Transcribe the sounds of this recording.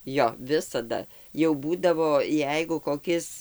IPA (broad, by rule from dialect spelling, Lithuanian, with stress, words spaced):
ˈjoː ˈʋʲɪsɐdɐ jɛʊ ˈbuːdɐʋoː ˈjɛɪɡʊ koːˈkʲɪs